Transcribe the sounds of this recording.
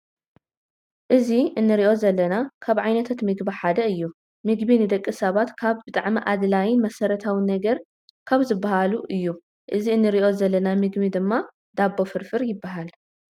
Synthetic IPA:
ʔɨziɨnːɨɾiʔo̞zɐlːɐnakʰaβʕajnɐt̪ʰat̪mɨɡbiħad̪ɐɨjːu | mɨɡbinɨd̪ɐkʼːɨsɐβat̪kʰaβbɨt̪ʼa̰ʕmiʔad̪lajɪnmɐsɐɾɐt̪ʰawinɐɡɐɾ | kʰaβzɨbːahaluʔɨjːu | ʔɨziɨnːɨɾiʔo̞zɐlːɐnamɨɡbid̪ɨmːa | d̪abːo̞fɨɾfɨɾjɪbːaɦal

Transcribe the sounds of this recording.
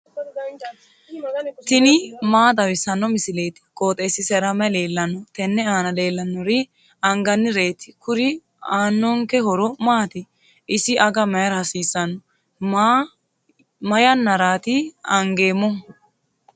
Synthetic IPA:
t̪ɪnɪmaːd̪ɐwɪsɐnːɔmɪsɪle̞ːt̪ɪ̥kʼoːt̪ʼeːsɪsɛɾɐmɛle̞ːlːɐnːɔt̪ɛnːɛaːnɐle̞ːlːɐnːɔɾɪ | ɐŋɡɐnːɪɾe̞ːt̪ɪ̥kʊɾɪ | aːnːɔŋkɛɦɔɾɔmaːt̪ɪ | ʔɪsɪʔɐɡɐmɐjɐɾhɐsiːsːɐnːɔ | a | mɐjɐnːɐɾaːt̪ɪɐŋɡe̞ːmːɔ

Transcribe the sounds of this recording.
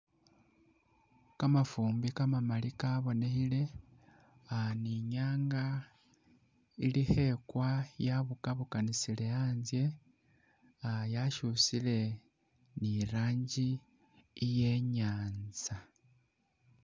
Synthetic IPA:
kamafuːmbikamamalikaβo̞ne̞xile̞ | aniɲaːŋɡa | ilihe̞kwajaβukaβukanisile̞aːnzje̞ | ajaʃusile̞ | niɾaːɲɟiː | je̞ɲaːnza

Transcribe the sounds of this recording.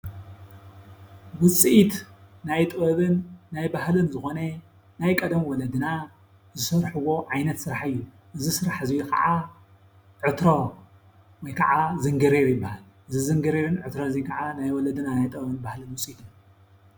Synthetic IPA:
wɨt͡sʼiit̪najt̪ʼɨɐβɨnːajbahlɨnzɨxonɐ | najkʼɐd̪ɐmwɔlɐd̪ɨna | zɨsɐɾħɨwo̞ʕajnɐt̪sɨɾaħɨjːu | ʔɨzisɨɾaħɨzijukʰɐ̰ʕa | ʕɨt̪ɾo | wɔjkʰɐʕazɨŋɡɨɾeɾjɪbːahal | ʔɨzizɨŋɡɨɾeβɨnʕɨt̪ɾozikʰaʕanajwɔlɐd̪ɨnanajt̪ʼɨβɐβɨnbahlɨnwɨt͡sʼiit̪ʰɨn

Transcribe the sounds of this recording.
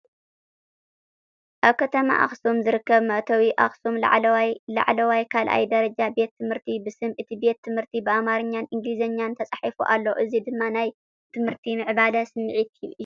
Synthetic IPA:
ʔaβkʰɐt̪ʰɐma̰ʔa̰xsumzɨɾɨkːɐβmɐʔt̪ʰɐwiʔaxsumla̰ʕlwala̰ʕlɐwajkʰalʔa̰jd̪ɐɾɐd͡ʒabe̞t̪ʰːɨmhɨɾt̪ʰibɨsɨmʔɨt̪ʰibe̞t̪ːɨmhɨɾt̪ʰibɨʔamaɾɨɲːanʔɨŋɡlizɐɲːant̪ʰɐt͡sʼaħifuʔalːɐʔɨzid̪ɨmːanaj | t̪ʰɨmhɨɾt̪ʰimɨʕbalɐsɨmːɨʕit̪ʰi

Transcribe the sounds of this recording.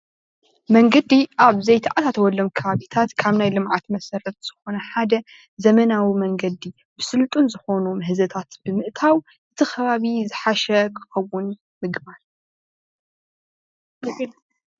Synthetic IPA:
mɐŋɡɐd̪iʔaβzɐjt̪ʰaʔat̪at̪ʰɐwɔlːɐmkʰɐβaβit̪ʰat̪kʰaβnajlɨmʕat̪mɐsɐɾɐt̪̚z̥ɨxo̞nɐħad̪ɐ | zɐmɐnawimɐŋɡɐd̪i | bɨsɨlt̪ʼunzɨxo̞numɨɦɨzɐt̪ʰat̪b̥ɨmɨʔt̪ʰaw | ʔɨt̪ʰɨxʰɐβaβizɨħaʃɛkʰɨ̥xɐwʊn | mɨɡbaɾ

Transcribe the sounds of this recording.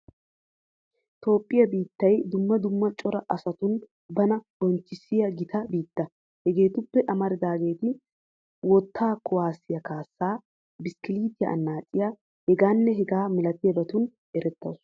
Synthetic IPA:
t̪o̞ːpʼːɪjɐbiːt̪ːɐjd̪ʊmːɐd̪ʊmːɐt͡ʃʼɔɾɐʔɐsɐt̪ʊn | bɐnɐbɔnt͡ʃːɪsɪjɐɡɪt̪ʰɐbiːt̪ːɐ | hɛɡe̞ːt̪ʊpːɛʔɐmɐɾɪd̪aːɡe̞ːt̪ɪ | wɔt̪ːaːkɔwaːsːɪjɐkaːsːaː | bɪskɪliːt̪ɪjɐ̰ʔɐ̰nːaːt͡sʼːɪja | hɛɡaːnːɛɦɛɡaːmɪlɐt̪ɪjɐbɐt̪ʊn | ʔɛɾɛt̪ːɐ̰ws

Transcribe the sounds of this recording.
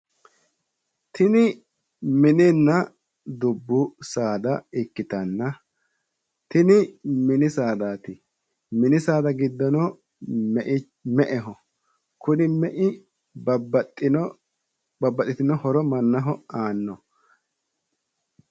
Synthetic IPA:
t̪ɪnɪ | mɪnɪnːɐ | d̪ʊbːʊsaːd̪ɐɪkːɪt̪ɐnːɐ | t̪ɪnɪmɪnɪsaːd̪aːt̪ɪ | mɪnɪsaːd̪ɐɡɪd̪ːɔnɔ | mɛʔɪ | mɛʔɛɦɔ | kʊnɪmɛʔɪ | t | bɐbːɐt̪ʼːɪt̪ɪnɔhɔɾɔmɐnːɐɦɔaːnːɔ

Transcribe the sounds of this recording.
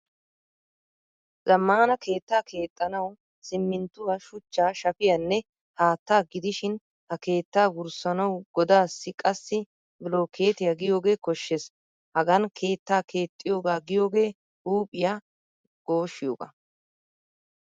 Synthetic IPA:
zɐmːaːnɐkʰe̞ːt̪ːaːkʰe̞ːt̪ʼːɐnɐw | sɪmːɪnt̪ːʊwɐʃʊt͡ʃːaːʃɐpɪjɐnːɛ | haːt̪ːaːɡɪd̪ɪʃɪn | hɐke̞ːt̪ːaːwʊɾsɐnɐwɡɔd̪aːsːɪkʼɐsːɪ | bɪlo̞ːkʰe̞ːt̪ɪjaɡɪjo̞ːɡe̞ːkɔʃːes | hɐɡɐnkʰe̞ːt̪ːaːkʰe̞ːt̪ʼːɪjo̞ːɡaːɡɪjo̞ːɡe̞ː | uːpʼːɪjaː | ɡ̥o̞ːʃːɪjoːɡɐ̰

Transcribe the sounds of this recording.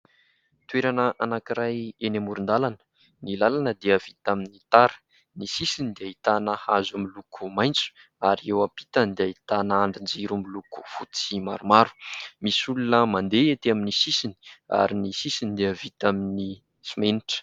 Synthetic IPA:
t̪weɾanəʔanakiɾajenamuɾund̪alanə̥ | nilalanəd̪iəv̥it̪aminit̪aɾə̥ | nisisinid̪eaɦit̪anəhazumilukʰumajnt͡su̥ | aɾiewapi̥t̪and̪eait̪anəaɳɖ͡ʐind͡ziɾumiluku̥fut͡simaɾumaɾu̥misulunəmand̪eet̪eaminisisini̥a̰ɾinisisinid̪eəvit̪amini | simeniʈ͡ʂə̥

